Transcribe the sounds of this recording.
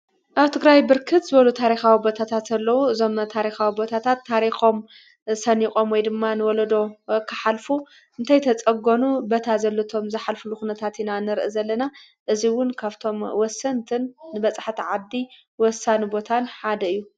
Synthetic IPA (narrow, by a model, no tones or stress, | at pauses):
ʔaβt̪ʰɨɡɾajbɨɾkʰɨt̪zɨβɐlut̪ʰaɾixawibo̞t̪ʰat̪ʰat̪ɐlːɐwuɨzo̞mt̪ʰaɾixawibo̞t̪ʰat̪ʰat̪ʰːaɾixo̞m | sɐnikʼo̞mwɔjd̪ɨmːanɨwɔlɐd̪o̞kʰɨħalfu | ɨnt̪ʰajt̪ʰɐt͡sʼɐɡonubɐt̪ʰazɐlːɐt̪ʰo̞mzɨħalfɨluxunɐt̪ʰat̪inanɨɾʔɨzɐlːɐna | ʔɨziwʊnkʰaβt̪ʰo̞mwɔsːɐnt̪ʰɨnːɨbɐt͡sʼħt̪ʰiʕad̪i | wɔsːanubo̞t̪ʰanħad̪ɐɨjːu